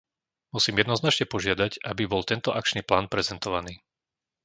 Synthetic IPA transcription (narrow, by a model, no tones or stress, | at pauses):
musiːmjɛd̪nɔznat͡ʃɲɛpɔʒɪad̪aɟabibɔlt̪ɛnt̪ɔʔak̚t͡ʃniːplaːnpɾɛzɛnt̪ɔʋaniː